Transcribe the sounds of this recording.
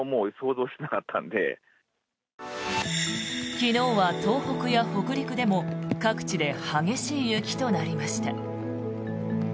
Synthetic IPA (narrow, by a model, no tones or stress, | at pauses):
moːso̞ːzo̞ːɕenakat̪ʰːã̰nd̪e̞̰ | kʲino̞ːβat̪o̞ːho̞kɯ̟jaho̞kɯ̟ɾʲikɯ̟d̪e̞mo̞kakɯ̟̥t͡ɕid̪e̞haɡe̞ɕiːjɯ̟kʲi̥t̪o̞naɾʲimaɕi̥t̪a